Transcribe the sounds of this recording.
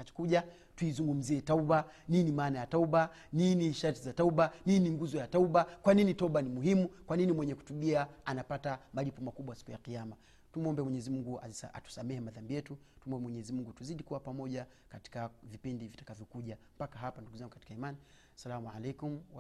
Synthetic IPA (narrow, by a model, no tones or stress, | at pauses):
at͡ʃɔ̥kuʄa | tuizuŋɡum̩ziɛtauɓa | ninimaːnajatauɓa | niniʃaɾtizatauɓaniniŋɡuzɔjatauɓakwaninitauɓanimuɦimukwaninimwɛɲɛku̥tuɓiaanapatamalipɔmakuɓwasi̥kujaqijama | tumɔmbɛmwɛɲɛzimuŋɡua̰a̰tu̥samɛhɛmaðambijɛtu | tumɔmbɛmwɛɲɛzimuŋɡutuziɗikuwapamɔʄa | kati̥kavipindivitḁkavjɔkuʄampakaɦapanduɡuzaŋɡukḁti̥kaimani | salamualɛkum̩a